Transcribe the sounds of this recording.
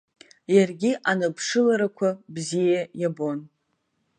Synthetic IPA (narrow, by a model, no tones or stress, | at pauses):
jarɡʲiʔanɨpʰʂɨlaɾakʷʰabzijajabo̞n